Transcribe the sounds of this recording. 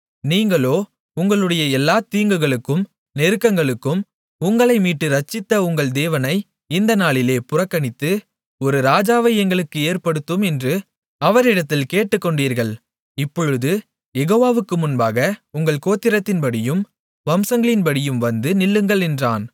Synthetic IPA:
niːŋɡɐɭoː | ʊŋɡɐɭɯɽɐjɐɛlːaːt̪iːŋɡɯɣɐɭɯkːɯm | nɛɾɯkːɐŋɡɐɭɯkːɯm | ʊŋɡɐɭɐɪmiːʈːɯɾɐt͡ʃːɪt̪ːɐʊŋɡɐɭd̪eːʋɐnɐɪ | ɪnd̪ɐnaːɭɪleːpʊrɐkːɐɳɪt̪ːɯ | ɔɾɯɾaːd͡ʒaːʋɐjɛŋɡɐɭɯkːɯeːɾpɐɽɯt̪ːɯmɛndrɯ | ɐʋɐɾɪɽɐt̪ːɪlkeːʈːɯkːɔɳɖiːɾɣɐɭ | ɪpːɔɻɯðɯ | jɛɣoːʋaːʋɯkːɯmʊnbaːɣɐʊŋɡɐɭkoːt̪ːɪɾɐt̪ːɪnpɐɽɪjɯm | ʋɐmsɐŋɡɐɭɪnpɐɽɪjɯmʋɐnd̪ɯnɪɭːɯŋɡɐɭɛndra̰ːn

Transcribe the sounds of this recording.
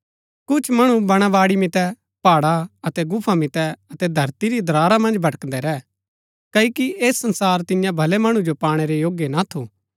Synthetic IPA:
kʊt͡ʃʰmɐɽ̃ũbɐɽ̃aʋaːɽimɪt̪ɛ | paːɽaɐt̪ɛɡʊpʰamɪt̪ɛɐt̪ɛd̪ʱɐɾt̪iɾid̪ɾaːɾamɐ̃nd͡ʒbʱɐʈək̪d̪ɛɾɛː | kɐːikiʔeːsːɐ̃nsaːɾt̪ɪjãbʱɐlemɐɽ̃ũd͡ʒopaːɽ̃eɾejoːɡjenat̪ʰoː

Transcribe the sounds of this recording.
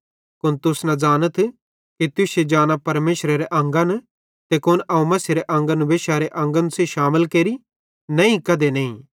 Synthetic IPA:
kʊnt̪ʊsnad͡ʒaːnət̪ʰ | kit̪ʊsed͡ʒaːnapɐɾmeːʃɾeɾeʔɐ̃ŋɡan | t̪ekʊnʔɐũmɐseɾeʔɐ̃ŋɡanuʋeːʃaɾeʔɐ̃ŋɡanũseʃaːməlkeːɾi | nɐ̃ĩkɐd̪enɐĩ

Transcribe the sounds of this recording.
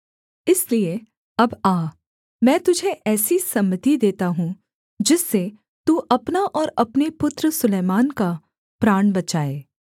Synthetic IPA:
ɪslie | ɐbaː | mɛ̃ːt̪ʊd͡ʒʱeʔɛːsisɐmːət̪id̪eːt̪aɦũ | d͡ʒɪsːe | t̪uːʔɐpnaʔɔːɾɐpnepʊt̪ɾəsʊleːmaːnka | pɾaːɽ̃bɐt͡ʃaːeː

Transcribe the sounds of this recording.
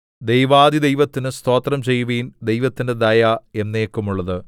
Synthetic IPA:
d̪ejʋaːd̪id̪e̞jʋɐt̪ːinɨst̪o̞ːt̪rɐmt͡ɕe̞jːuʋiːnd̪e̞jʋɐt̪ːinde̞d̪ɐjae̞nːeːkːumuɭːɐðɨ

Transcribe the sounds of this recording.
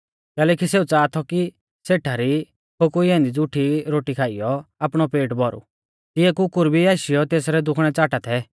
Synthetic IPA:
kɛːlɛːkiseːut͡saːt̪ʰɔki | seʈʰaɾi | kʰokuiɛ̃ːnd̪id͡zʊʈʰiɾoːʈikʰaːɪjɔaːpɽ̃ɔpeːʈbɔɾṵ | t̪ɪɛkʊkʊɾbiaːʃijɔt̪eːsɾɛd̪ʊkʰɽ̃ɛt͡saːʈat̪ʰɛ

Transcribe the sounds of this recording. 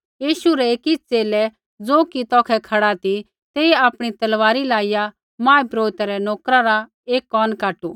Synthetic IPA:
jiːʃuɾɛeːkit͡seːlɛ | d͡zoːkit̪ɔːkʰɛkʰɐɽat̪i | t̪eːiaːpɽ̃it̪ɐlʋaːɾilaːɪja | mãːipɾoːɪt̪aɾɛnoːkɾaɾa | eːkːɔːnkaːʈu

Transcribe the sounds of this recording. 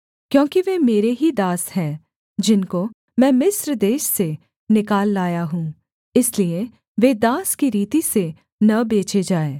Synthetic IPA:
kjõːkiʋeːmeːɾeɦid̪aːshɛ̃ː | d͡ʒɪnko | mɛ̃ːmɪsɾd̪eːʃse | nɪkaːlːaːjaɦũː | ɪslie | ʋeːd̪aːskiɾiːt̪ise | nɐbeːt͡ʃed͡ʒaːeː

